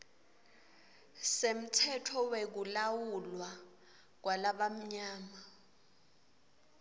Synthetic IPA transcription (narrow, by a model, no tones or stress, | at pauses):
sem̩tʰɛtʰɔwek̬ulawulwa | k̬walaɓam̩ɲaːma